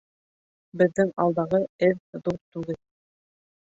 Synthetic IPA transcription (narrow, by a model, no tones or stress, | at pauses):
bɘ̆ðːɘŋɑ̰lˠd̪ɑʁɤɘððuɾt̪ʉɡɘl